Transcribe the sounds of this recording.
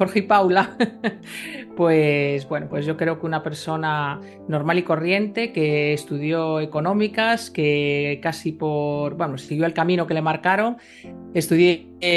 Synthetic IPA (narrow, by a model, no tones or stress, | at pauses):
xoɾxipawla | pwezbwe̞no̞pwe̞zʝo̞kɾe̞okeunape̞ɾso̞na | no̞ɾmaliko̞rje̞nt̪e̞ke̞ːst̪uðjo̞eko̞nõ̞mikaskekasipo̞ɾbwenosiɣjoelkamĩno̞kele̞maɾkaɾo̞ŋ | est̪uðje